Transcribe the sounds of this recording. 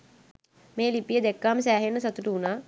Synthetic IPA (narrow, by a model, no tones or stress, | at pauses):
meːlipijəd̪ekːaːməsæːɦenːəsɐt̪uʈuːnaː